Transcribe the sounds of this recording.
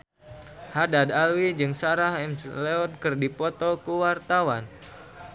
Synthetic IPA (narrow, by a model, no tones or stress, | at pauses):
hadad̪alwid͡ʒɨŋsaɾaɦɛmslɛɔnkɨrdipɔt̪ɔkuwart̪awan